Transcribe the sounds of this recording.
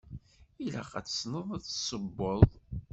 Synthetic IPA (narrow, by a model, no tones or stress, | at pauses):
ilæ̰qæ̰t͡sːə̥snəðˤæt͡sːsəbːoðˤ